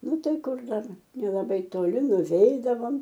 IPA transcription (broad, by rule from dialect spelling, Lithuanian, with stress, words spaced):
ˈnʊ ˈtɐɪ ˈkʊr ˈdɐr nʲɛlˠɐˈbɐɪ toːˈlʲɪ nʊˈʋʲɛɪdɐʋoːm